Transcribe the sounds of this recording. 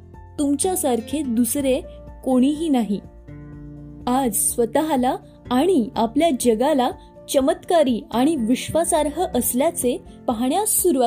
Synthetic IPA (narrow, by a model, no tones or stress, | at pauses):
t̪umt͡ɕjasaɾkʰed̪usɾe | koɽ̃iɦiːnaɦi | ad͡zsʋət̪aɦlaː | ɽ̃iapljad͡ʑəɡala | t͡ɕəmət̪kaɾiːaɽ̃iʋiɕʋasaɾɦəʔəsljat͡se | pəɦɳjasːuɾuʋa